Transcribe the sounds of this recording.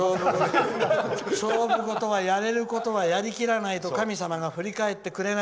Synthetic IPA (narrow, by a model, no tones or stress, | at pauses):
o | soːbɯ̟ko̞t̪o̞βajaɾe̞ɾɯ̟ko̞t̪o̞βajaɾʲikʲiɾanait̪o̞kamʲisamaɡaɸɯ̟ɾʲikae̞t̪ːe̞kɯ̟ɾe̞n